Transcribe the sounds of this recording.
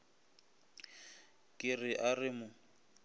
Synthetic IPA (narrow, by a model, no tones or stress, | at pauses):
kʼɪrɪʔarɪmʊ